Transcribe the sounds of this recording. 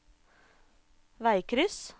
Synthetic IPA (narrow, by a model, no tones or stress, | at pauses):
ʋæɪkʰɾʏs